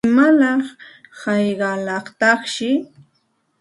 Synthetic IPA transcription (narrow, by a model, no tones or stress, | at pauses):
malɑχhɑjɢɑlɑχt̪ɑχʃɪ